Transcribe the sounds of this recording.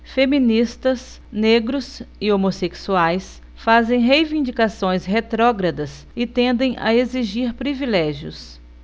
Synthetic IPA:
femĩnist̪ɐs | neɡɾʊsɪomoseksuajs | fazẽj̃ɦejvĩnd͡ʒikasõj̃sɦet̪ɾɔɡɾɐd̪ɐs | ɪt̪ẽnd̪ẽj̃ɐ̰eziʒiɾpɾivilɛʒiʊ̰s

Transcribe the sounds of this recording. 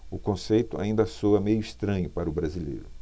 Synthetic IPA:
ʊkõsejt̪ʊa̰ĩnd̪ɐsoɐmejʊist̪ɾɐ̃ɲʊpaɾɐʊbɾazilḛjɾʊ

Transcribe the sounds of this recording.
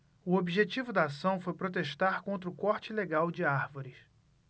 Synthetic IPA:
ʊobiʒet͡ʃivʊd̪ɐːsɐ̃w̃fojpɾot̪eʃt̪aɾkõnt̪ɾʊkɔɾt͡ʃɪleɡawd͡ʒɪaɾvoɾɪs

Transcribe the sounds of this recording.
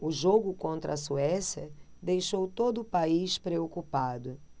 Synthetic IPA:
ʊʒoɡʊkõnt̪ɾɐsuɛsjɐ | d̪ejʃowt̪od̪ʊːpaiʃpɾeokupad̪ʊ

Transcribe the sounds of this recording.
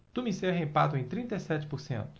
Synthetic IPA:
t̪umiseɦẽpad̪ʊẽj̃t̪ɾĩnt̪ejsɛt͡ʃɪ̥poɾsḛ̃nt̪ʊ̥

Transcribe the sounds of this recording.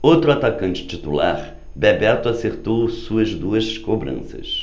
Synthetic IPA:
owt̪ɾʊat̪akɐ̃nt͡ʃɪ̥t͡ʃit̪ula̰ɾ | bɛbɛt̪ʊaseɾt̪owsuɐzd̪uɐzskobɾɐ̰̃sɐ̰s

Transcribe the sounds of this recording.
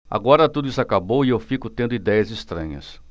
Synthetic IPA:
a̰ɡɔɾɐt̪ud̪ʊisʊakabowiewfikʊt̪ẽnd̪ʊid̪ɛjɐzist̪ɾɐ̰̃ɲɐ̰s

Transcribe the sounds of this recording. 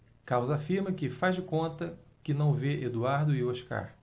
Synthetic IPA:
kawzafiɾmɐkɪfazd͡ʒɪkõnt̪ɐkɪnɐ̃w̃veʔed̪uaɾd̪ʊioʃka̰ɾ

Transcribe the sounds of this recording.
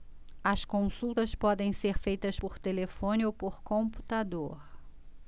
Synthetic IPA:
ɐskõsuwt̪ɐspɔd̪ẽj̃seɾfejt̪ɐspoɾt̪elefõnɪowpoɾkõpu̥t̪ad̪oɾ

